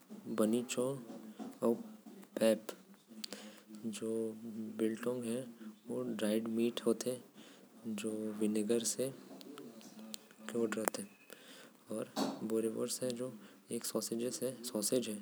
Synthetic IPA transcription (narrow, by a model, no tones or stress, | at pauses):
bənit͡ʃõ | ɔːpɛːp | d͡ʒoːbɪlʈɔ̃ːŋɡɦɛʋoɖɾaːɪɖmiːʈɦoːt̪ɦɛ | d͡ʒoːʋɪnəɡəɾse | koːʈɾəɦt̪ɦɛ | ɔːɾboːɾeʋə̰ɾsɦɛd͡ʒoː | eːksɔːsed͡ʒesɛsɔːsed͡ʒɦɛ